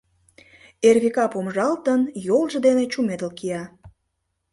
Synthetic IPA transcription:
erβikɑpomʒɑlt̪ənjolʒĕd̪enet͡ɕumed̪əlkijɑ

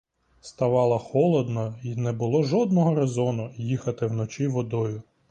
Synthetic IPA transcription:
st̪ɐʋɑlˠɐxɔlˠɔd̪nɔinɛbʊlˠɔʒɔd̪nɔɦɔɾezɔnʊjixɐt̪ɪwnɔt͡ʃiʋɔd̪ɔjʊ

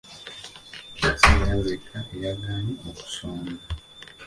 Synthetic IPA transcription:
tijazekʰaejaɡaːɲioku̥soːna

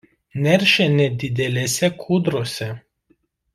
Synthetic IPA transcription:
nʲɛɾʲʃʲɛnʲɛd̪ʲɪd̪ʲɛlʲɛsʲɛkʰuːd̪ɾoːsʲɛ

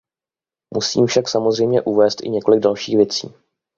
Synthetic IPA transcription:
musḭːmfʃaksamozrɛjmɲɛʔuvɛːst̪ʔɪ̰ɲɛko̞lɪɡ̚dalʃiːxvjɛt͡sḭː

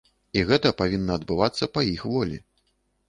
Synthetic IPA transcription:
iɣɛt̪ɐpavʲinːɐːd̪bɨvat̪sːɐpɐjixvɔlʲḭ

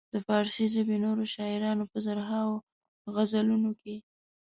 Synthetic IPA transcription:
d̪̥əfɑɾsizabinoɾoʃɑɪɾɑnopəzaɾɦɑwo | ɣazalunoke

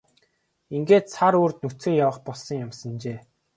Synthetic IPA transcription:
iŋɡeːt̪sʰaɾoːrt̪̚nut͡sɘ̆ːjawə̆χpɔɮsɞ̆ŋjamsə̆nt͡ɕeː

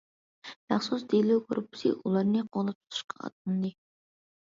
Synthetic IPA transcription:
mæχsusd̪elukʰoɾupʰːɨ̥sɨ̰ʔulˠɑɾnɨqʰolˠɨp̚t̪ʰu̥t̪ʰu̥ʃqɑɑ̰t̪̚ɨnd̪ɨ

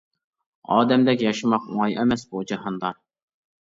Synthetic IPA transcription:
ɑːd̪ɛmd̪ɛkʲjɑʃɨmɑquŋɑjʔɛmɛsbud͡ʒɑhɑnd̪ɑ

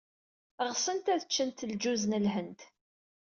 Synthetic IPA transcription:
ʁsˤənt̪æðət͡ʃːənt̪ld͡ʒuznəlɦənt̪

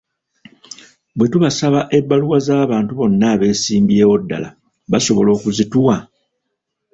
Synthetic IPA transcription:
bwe̞tuβasaβaʔe̞bːaluwazaːβaːntuβo̞nːaβe̞ːsiːmbieːwo̞dːa̰la̰ | βaso̞βo̞lo̞ːkuzituwa

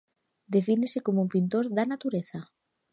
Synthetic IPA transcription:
d̪efinesɪkomoumpint̪oɾðanat̪uɾeθɐ

